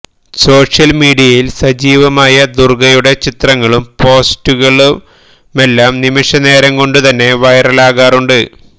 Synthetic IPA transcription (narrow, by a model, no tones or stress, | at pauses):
so̞ːʂjɐlmiːɽijɐjilsɐd͡ʑiːʋɐmaːjɐd̪urɡɐjuɽe̞t͡ɕit̪rɐŋːɐɭumpo̞ːstuɣɐɭu | me̞lːaːmnimiʂɐne̞ːɾɐŋko̞ɳɖut̪ɐnːe̞ʋɐjrɐlaːɣaːruɳɖɨ